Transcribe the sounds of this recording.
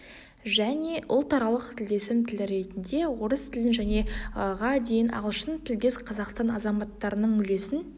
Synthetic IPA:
ʒæne̞ʔʊlˠt̪ɑɾɑlˠəqt̪ʰɪlɡ̪ʲe̞sɪmt̪ʰɪlɪɾe̞t̪ɪnd̪e̞wo̞ɾəst̪ʰɪlɪnʒæne̞ʁɑd̪e̞jɪnɑ̰ʁəlˠʃənt̪ʰɪld̪ʲe̞sqʰɑzɑqst̪ɑnɑzɑmɑt̪ːɑɾənəɴʏle̞sɪn

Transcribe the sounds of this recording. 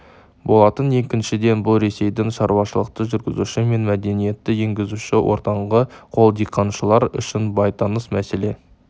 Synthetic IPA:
bo̞lˠɑt̪ənje̞kʲɪnʃɪd̪e̞nbʊlˠɾe̞se̞jd̪ɪŋʃɑɾuwɑʃəlˠəq̚t̪əʒʏɾɡʲɪzuʃɪme̞nmæd̪e̞nije̞t̪ːɪje̞ŋɡʲɪzuʃɪwʔo̞̰ɾt̪ɑɴʁəqʰo̞lˠd̪ijqʰːɑnʃəlˠɑɾʏ̰ʃɪnbɑjt̪ɑnəsmæse̞le̞

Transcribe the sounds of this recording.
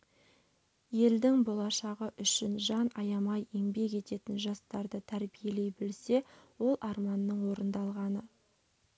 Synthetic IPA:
je̞ld̪ɪŋbo̞lˠɑʃɑʁəʔʏʃɪnʒɑnɑjɑmɑjeŋbe̞ke̞t̪e̞t̪ɪnʒɑst̪ɑɾd̪ət̪ʰæɾbije̞le̞jbɪlse̞wo̞lˠʔɑɾmɑnːəɴwo̞ɾənd̪ɑlˠʁɑnə

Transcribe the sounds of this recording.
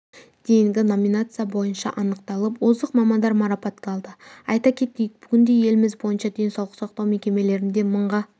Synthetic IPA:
d̪̥e̞jɪŋɡʲɪno̞mʲinat̪sɨjabo̞jənʃɑ̰ʔɑnəqt̪ɑlˠəpwo̞zd̪əqmɑmɑnd̪ɑɾmɑɾɑpɑt̪kʲɑlˠd̪əɑjt̪ɑkʲʰe̞t̪kʲejɪk̚b̥ʏkʲɪnd̪e̞je̞lɪmɪzbo̞jənʃɑd̪e̞nsɑwlˠəqsɑq̚t̪ɑwme̞kʲe̞me̞le̞ɾɪnd̪e̞məɴʁɑ

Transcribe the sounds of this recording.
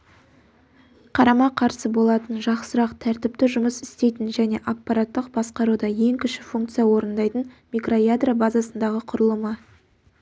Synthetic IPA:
qʰɑɾɑmɑqʰɑɾsəbo̞lˠɑt̪ənʒɑqsəɾɑqt̪ʰæɾt̪ɪp̚t̪ɪʒʊməsɪst̪e̞jt̪ɪnʒæne̞̰ʔapːɑɾat̪ːəq̚bɑsqɑɾud̪ɑje̞ŋkʲʰʏʃɪfuŋk̚t̪sijɑwo̞ɾənd̪ɑjt̪ənmijkro̞jad̪rabazasənd̪ɑʁəqʰʊɾəlˠəmə

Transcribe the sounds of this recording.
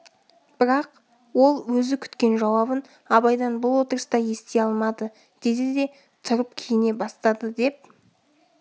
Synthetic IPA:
b̥ɪɾɑq | wo̞lˠwɵzɪkʲʰʏ̥t̪kʲe̞nʒɑwɑbən | ɑbɑjd̪ɑnbʊlˠwo̞t̪əɾəst̪ɑje̞st̪e̞ɑlˠmɑd̪ə | d̪̥e̞d̪ɪd̪e̞ | t̪ʰʊɾəp̚kʲʰejɪne̞bɑst̪ɑd̪əd̪e̞p̚

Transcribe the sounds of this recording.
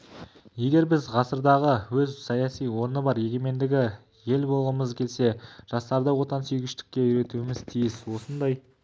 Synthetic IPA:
je̞ɡʲe̞ɾbɪzʁɑsəɾd̪ɑʁəwɵzsɑjɑsijwo̞ɾənəbɑɾje̞ɡʲe̞me̞nd̪ɪɡʲɪ | je̞lbo̞lˠʁəməzkʲʰe̞lse̞ʒ̥ɑst̪ɑɾd̪əwo̞t̪ɑnsyjɡʲɪʃt̪ɪ̥kʲːe̞ʏɾe̞t̪uɪmɪz̥t̪ʰijɪswo̞sənd̪ɑj

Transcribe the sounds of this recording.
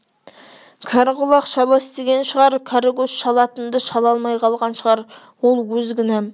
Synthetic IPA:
kʲʰɑɾʁʊlˠɑqʃɑlˠɑst̪eɡʲenʃəʁɑɾkʲʰɑɾɡosʃɑlˠɑt̪ənd̪ɑʃɑlˠɑlˠmɑjqʰɑlˠʁɑnʃəʁɑɾ | wolˠwɵzɡʲɪnæm

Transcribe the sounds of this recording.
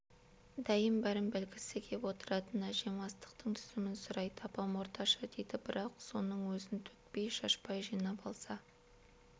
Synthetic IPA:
d̪æjəmbæɾɪmbɪlkʲɪsɪkʲʰe̞pwo̞t̪əɾɑt̪ənɑʒe̞mʁɑst̪ə̥qt̪əɴt̪ʰʏ̥zɪmɪnsʊɾɑjt̪ʰɑpɑmwo̞ɾt̪ʰɑʃɑd̪e̞jd̪ɪbɪɾɑqso̞nəɴwɵzɪnt̪ʰɵ̥t̪̚pe̞jʃɑʃpɑjʒijnɑpɑlˠsɑ

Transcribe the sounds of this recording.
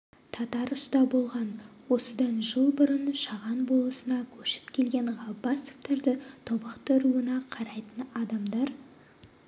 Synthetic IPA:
t̪ʰɑt̪ɑɾʊst̪ɑbo̞lˠʁɑnwo̞səd̪ɑnʒəlˠbʊɾənʃɑʁɑnbo̞lˠəsənɑkʲʰɵʃɪ̥pkʲʰe̞lɡʲe̞ɴʁɑbɑsʊ̥pt̪ɑɾd̪ət̪ʰobɑqt̪əɾuənɑqʰɑɾɑjt̪ənɑd̪ɑmd̪ɑɾ

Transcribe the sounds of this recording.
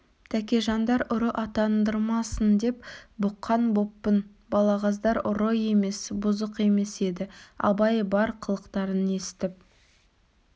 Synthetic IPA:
t̪ʰækʲe̞ʒɑnd̪ɑɾʊɾəʔɑt̪ɑnd̪əɾmɑsənd̪e̞pbʊqːɑnbopːən | bɑlˠɑʁɑzd̪ɑɾʊɾoje̞me̞sbʊzəqe̞me̞se̞d̪ɪɑ̰bɑjəbɑɾqʰəlˠəqt̪ɑɾəne̞sɪ̥t̪ɪp̚

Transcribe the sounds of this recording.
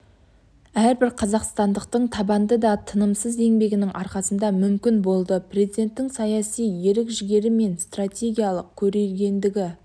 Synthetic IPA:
æɾbɪɾqʰɑzɑqst̪ɑnd̪əqt̪əɴt̪ʰɑbɑnd̪əd̪ɑt̪ʰənəmsəze̞ŋbe̞ɡʲɪnɪŋʔɑɾqɑsənd̪ɑmʏmkʲɪnbo̞lˠd̪əprʲe̞zid̪ʲe̞nt̪ːɪŋsɑjɑsijje̞ɾɪkʒɪɡʲe̞ɾɪme̞nst̪ratʲe̞ɡʲijɑlˠəq̚kʲʰɵɾe̞lɡʲe̞nd̪ɪɡʲɪ

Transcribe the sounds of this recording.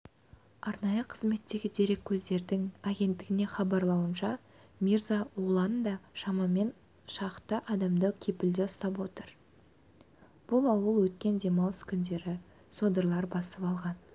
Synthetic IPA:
ɑɾnɑjəqʰəzme̞t̪ːe̞ɡʲɪd̪e̞ɾe̞kʲʰːɵzd̪e̞ɾd̪ɪŋaɡʲe̞nt̪ːɪɡʲɪne̞χɑbɑɾlˠɑwənʃɑ | mʲiɾzawolˠɑnd̪ɑʃɑmɑme̞n | ʃɑqt̪əʔɑd̪ɑmd̪əkʲʰe̞pɪld̪eʊst̪ɑp̬wo̞t̪əɾ | b̥ʊlˠɑwəlˠwɵt̪̚kʲe̞nd̪e̞mɑwskʲʰʏnd̪e̞ɾɪ | sod̪əɾlˠɑɾbɑsəpɑlˠʁɑn

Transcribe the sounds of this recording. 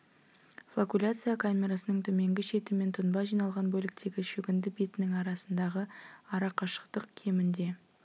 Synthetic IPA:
fˠokulʲat̪sɨjakʰamʲe̞ɾasənəɴt̪ʰɵme̞ŋɡʲɪʃe̞t̪ɪme̞nt̪ʰʊnbɑʒijnɑlˠʁɑnbɵlɪk̚t̪e̞ɡʲɪʃɵɡʲɪnd̪ɪbit̪ɪnɪŋɑɾɑsənd̪ɑʁəɑɾɑqɑʃə̥qt̪əqkʲʰe̞mɪnd̪e̞

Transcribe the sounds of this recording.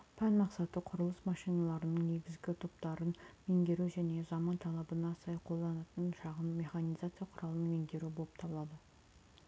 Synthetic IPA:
pʰænmɑqsɑt̪əqʰʊɾəlˠəsmɑʃijnɑlˠɑɾənəɴne̞ɡʲɪzɡʲɪt̪ʰopt̪ɑɾənme̞ŋd̪ʲe̞ɾuʒæne̞zɑmɑnt̪ʰɑlˠɑbənɑsɑjqʰo̞lˠd̪ɑnɑt̪ənʃɑʁəmːe̞χɑnijzat̪sɨjɑqʰʊɾɑlˠənəme̞ŋd̪e̞ɾubo̞lˠəp̚t̪ʰɑbəlˠɑd̪ə

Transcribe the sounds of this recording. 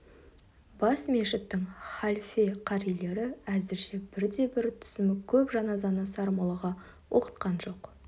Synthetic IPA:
bɑsmeʃɪt̪ːɪŋχɑlʲfeqʰɑɾijle̞ɾɪæzɪɾʃe̞bɪɾd̪e̞bɪɾt̪ʰʏ̥sɪmɪkʲʰɵpʒɑnɑzɑnɑsɑɾmɑlˠəʁɑ | wʔo̞qə̥t̪qɑnʒo̞q

